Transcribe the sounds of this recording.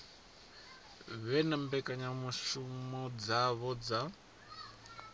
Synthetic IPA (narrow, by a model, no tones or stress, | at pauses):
βɛnambɛkaɲamuʃumɔd͡zaβɔd͡za